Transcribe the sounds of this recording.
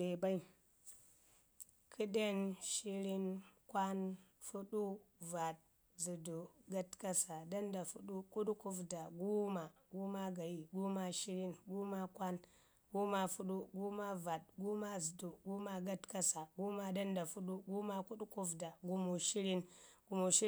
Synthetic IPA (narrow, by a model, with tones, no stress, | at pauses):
e˨ba˦i˦ | kʰɨ˦ɗe˦nʃi˦ɾi˦nkʷa˦nfu˦ɗu˦va˨t̚ | zu˨du˨ɡa˦tka˦sa˨da˦nda˨fu˦ɗu˦ku˦ɗu˦ku˦fda˨ɡu˦ma˨ɡu˦ma˦ɡa˨ji˨ɡu˦ma˦ʃi˦ɾi˦nɡu˦ma˦kʷa˦n | ɡ̥u˦ma˦fu˦ɗu˦ɡu˦ma˦va˨t̚ɡu˦ma˦zɨ˨du˨ɡu˦ma˦ɡa˦tka˦sa˨ɡu˦ma˦da˦nda˨fu˦ɗu˦ɡu˦ma˦ku˦ɗu˦ku˦fda˨ɡu˦mu˨ʃi˦ɾi˦nɡ̥u˨mu˨ʃi˦